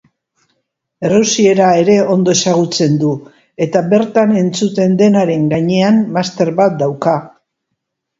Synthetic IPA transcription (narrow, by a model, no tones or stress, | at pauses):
e̞rusie̞ɾae̞ɾe̞o̞nd̪o̞esaɣ̞ut͡se̞nd̪u | e̞t̪aβe̞ɾt̪ane̞nt͡sut̪e̞nd̪e̞naɾe̞ŋɡaɲe̞anːast̪e̞ɾβat̪̚d̪awka